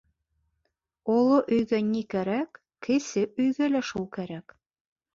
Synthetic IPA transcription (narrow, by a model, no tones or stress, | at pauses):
olˠoʔɵ̆jɡænʲikæɾækːɘ̆sɘɵ̆jɡælæʃulˠkæɾæk